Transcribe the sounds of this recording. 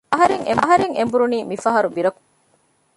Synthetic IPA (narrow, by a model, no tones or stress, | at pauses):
ɐɦɐɾeŋḛmɐɦɐɾeŋḛmbuɾuniːmifɐɦɐɾubiɾɐku̥